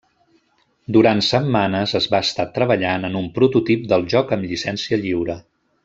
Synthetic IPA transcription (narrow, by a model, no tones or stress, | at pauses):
d̪uɾansəmːanəzəzβaəst̪at̪ɾəβəʎanənumpɾut̪ut̪ip̚d̪əlˠʒɔkəmʎisɛnsiəʎiwɾə